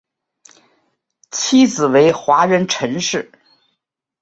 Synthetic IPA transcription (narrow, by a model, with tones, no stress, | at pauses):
t͡ɕʰi˥t͡sɹ̩˨˩we˧˥ɪxwa˧˥ɻə˧˥nʈ͡ʂʰə˧˥ŋʂɻ̩˥˩